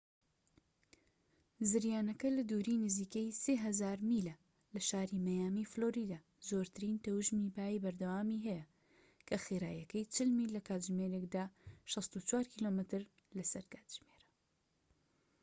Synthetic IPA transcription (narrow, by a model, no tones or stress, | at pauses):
zɨɾjaːnɐkɐlɐd̪uːɾiːnɨziːkejseːɦɐzaːɾmilɐ | lɐʃaːɾimɐjaːmifloːɾid̪aː | zoːɾt̪ʰɨɾint̪ɐwʒmibaːjibɐɾd̪ɐwaːmiɦɛjɐ | kʰɐxiɾaːjɐkɐjt͡ʃʰɨlmilːɐkaːt̪ʒmeɾekd̪aːʃɑst̪ut͡ʃwaːɾkʰiːlomɨt̪ɨɾ | lɐsɐɾkaːt̪ʒ̥meːɾɐ̥